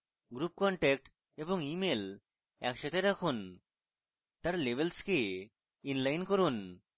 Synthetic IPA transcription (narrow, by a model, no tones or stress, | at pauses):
ɡɾup̚kɔɳʈɛk̚ʈ | eboŋimel | ɛ̰kʃat̪ʰeɾɛkʰon | t̪aɾlebelske | inlajnkoɾun